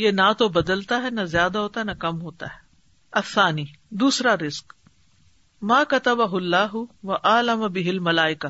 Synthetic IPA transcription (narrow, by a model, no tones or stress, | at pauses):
jenat̪obɐd̪əlt̪aɦɛnɐzjaːd̪aɦoːt̪aɦɛnɐkɐmɦoːt̪a̰ɦɛ | ɐθːaːniː | d̪uːsɾaɾɪsk | maːkɐt̪ɐbɐɦʊlːaːɦʊʋɐʔaːlɐmɐbɪɦɪlmɐlaːɪka